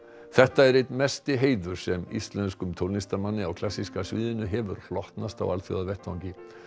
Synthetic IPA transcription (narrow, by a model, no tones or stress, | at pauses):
θɛht̪aɛɾet̪mɛst̪ɪɦeːjðʏɾ̥sɛmḭst̪lɛnskʏmt̪ʰowlnist̪aɾmanːɪawkʰl̥asːiskasvɪːðɪnʏɦɛvʏ̰ɾ̥l̥ɔht̪nast̪a̰walθjo̰ðavɛht̪vawɲcɪ